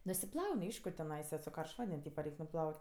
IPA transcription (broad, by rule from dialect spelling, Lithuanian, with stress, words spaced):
nʊsʲɪˈplˠɐʊnʲ ˈɐɪʃkʊ tʲɛˈnɐɪsɐ sʊ ˈkɐrʃt ˈʋɐnʲdʲɛnʲ ˈtʲiːpɐ ˈrʲɛɪkʲ nʊˈplˠɐʊtʲ